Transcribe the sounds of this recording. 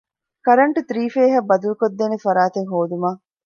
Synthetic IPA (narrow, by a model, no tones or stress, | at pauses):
kɐɾɐɳʈut̪ɾiːfeːɦɐbːɐd̪ulukod̪ːeːnefɐɾaːt̪eŋɦoːd̪umaː